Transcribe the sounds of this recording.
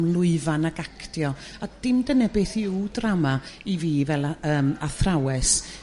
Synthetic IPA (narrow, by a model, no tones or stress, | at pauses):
mlˠʊɨvanaɡakʰtjɔ | ad̥ɪmdənɛbeːθiuwdramaiviːvɛlˠaəːmaθrawɛs